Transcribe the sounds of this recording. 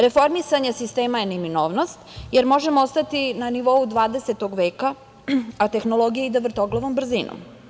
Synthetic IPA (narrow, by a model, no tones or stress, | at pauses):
ɾe̞fo̞ɾmisaɲesist̪eːmajeniminoːʋnost̪jeɾmo̞ʒe̞moost̪at̪inaniʋo̞ud̪ʋaːd̪eset̪o̞ɡʋeːka | at̪e̞xno̞lo̞ɡijeid̪aʋr̩t̪oɡlˠoʋombr̩ziːno̰m